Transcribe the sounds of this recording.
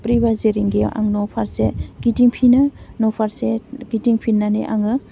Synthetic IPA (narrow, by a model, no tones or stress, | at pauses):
pɾibazeɾiŋɡeʔa̰ŋnɔpʰaɾseɡ̥itiŋpʰinɯnɔpʰaɾseɡitiŋpʰinːanḛʔa̰ŋɯ